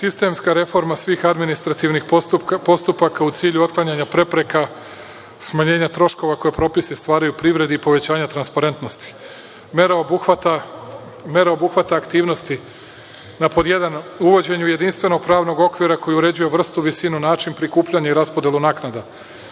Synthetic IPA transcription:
sist̪e̞mskaɾe̞fo̞ɾmasʋiːxad̪minist̪ɾat̪iʋnixpo̞st̪upakaut̪siːʎuo̞t̪̚klˠaɲaɲapɾe̞pɾe̞ka | smaɲe̞ːɲat̪ɾo̞ʃko̞ʋako̞jepɾo̞ːpisist̪ʋaːɾajupɾiʋɾe̞d̪iipo̞ʋe̞t͡ɕaːɲat̪ɾanspaɾe̞nt̪no̞st̪i̥ | meɾabat̪a | me̞ɾaobuxʋat̪aːkt̪iːʋno̞st̪i | napo̞d̪je̞d̪anuʋo̞d͡ʑe̞ɲuje̞d̪inst̪ʋe̞no̞ɡ̚pɾaːʋno̞ɡo̞kʋiɾako̞juuɾe̞d͡ʑuje̞ʋr̩st̪uʋisinunaːt͡ʃinpɾikuːpʎaɲaiɾaspod̪jelunaːknad̪a

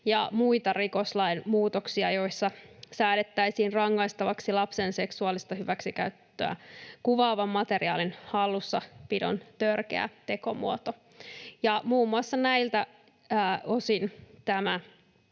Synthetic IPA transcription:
jɑ̰muit̪ɑriko̞slɑinmuːt̪oksiɑjo̞isːɑsæːlet̪ːæisiːnrɑŋːɑjst̪ɑʋɑksilɑpsense̞ksuɑlist̪ɑhyʋæksikæyt̪ːø̰æ̰kuʋɑːʋɑmːɑt̪eriɑ̰ːlinhɑlːusːɑpido̰nt̪ørkḛæ̰t̪e̞ko̞mṵot̪o | jɑmuːmːuɑsːɑnæilt̪æː | osint̪æmæ

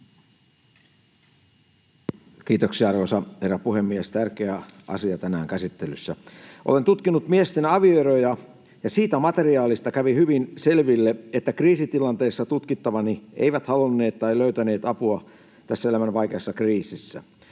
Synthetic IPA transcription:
k̟iːt̪oksiɑɑrʋosɑherːɑpuhemːiest̪ærkeæɑ̰siɑt̪ænæːŋkæsit̪ːelysːæʔole̞nt̪ut̪kinːut̪miest̪enɑʋioeɾojɑ | jɑsiːt̪æmɑt̪e̞riɑːlist̪ɑkæʋihyʋinse̞lʋilːeet̪ːækriːsit̪ilɑnt̪eːsːɑt̪ut̪kit̪ːɑʋɑniʔḛijʋæt̪hɑlunːe̞ːt̪t̪ɑiløyt̪æne̞ːt̪ɑpuɑ | t̪æsːæelæmænʋɑjkeːsːɑkriːsisːæ̰

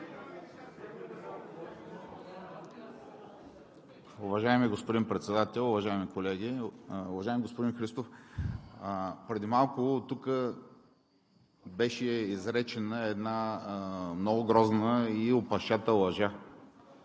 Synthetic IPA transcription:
ʊvɐʒaimiɡospʊd̪inpɾɛt̪sɛd̪at̪ɛlˠʊvɐʒaimikolɛɡiʊvɐʒaɪmʲiɡospod̪inxɾist̪of | pɾɛd̪imalˠkʊt̪ukə | bɛʃɛizɾɛt͡ʃɛnəɛd̪na | mnɔɡʊɡɾɔznəiopɐʃat̪əlˠɐʒa

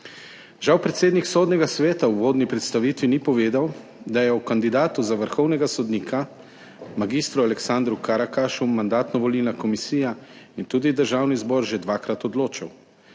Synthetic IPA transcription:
ʒawpɾɛt̪seːd̪niksoːd̪nɛɡasʋɛːt̪awʋoːd̪nipɾɛt̪st̪aʋiːt̪ʋinipɔʋeːd̪aw | d̪ajɛɔkand̪id̪aːt̪uzaʋəɾxɔwnɛɡasɔd̪niːkʰa | maɡist̪ɾualɛksand̪ɾukaɾakaʃumand̪aːt̪nɔʋɔlilnakɔmisiːjaint̪uːd̪id̪əɾʒaːwnizbɔːɾʒɛd̪ʋaːkɾat̪ɔd̪loːt͡ʃaw

